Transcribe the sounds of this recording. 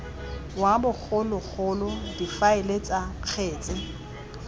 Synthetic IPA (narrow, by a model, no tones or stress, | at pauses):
wabʊk͡xʰʊlʊk͡xʰʊlʊdifaɪlet͡sʼaq͡χʰeːt͡sʼɪ